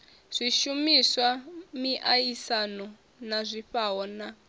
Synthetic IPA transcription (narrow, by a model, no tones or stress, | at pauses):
z̥ʷiʃumiswamiʔajisanɔ | nazʷiɸaɦɔna